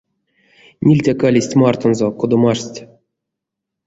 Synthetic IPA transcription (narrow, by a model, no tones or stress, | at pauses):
nʲilʲtʲakalʲisʲtʲmart̪onzokod̪omaʂʲtʲ